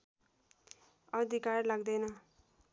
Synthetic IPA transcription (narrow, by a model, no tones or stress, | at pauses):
ʌd̪ʱikarlaɡd̪ʌjnʌ